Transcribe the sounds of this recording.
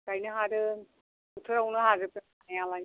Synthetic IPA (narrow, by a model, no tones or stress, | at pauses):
kajnɯɦaɾɯ | ut̪ʰɯɾawnɯɦaɾɯpeajala